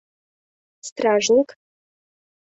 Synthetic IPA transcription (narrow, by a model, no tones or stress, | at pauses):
st̪raːʐnikʼ | t